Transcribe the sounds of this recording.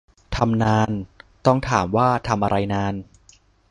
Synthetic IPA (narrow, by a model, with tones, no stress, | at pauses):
t̪ʰa˧mnaː˧nt̪ɔ˥˩ŋt̪ʰaː˩˦mwaː˥˩t̪ʰa˧mʔa˧ɾʔa˧jnaː˧n